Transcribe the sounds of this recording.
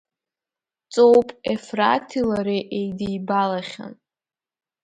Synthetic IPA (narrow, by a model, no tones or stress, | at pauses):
t͡sʼowpʼefra̰tʰilaɾiʔejdijbalaχʲa̰n